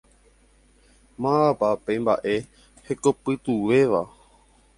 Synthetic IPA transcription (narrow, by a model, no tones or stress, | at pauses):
mãapapejmba̰ʔe̞ | heko̞pɨt̪uʋe̞ʋa̰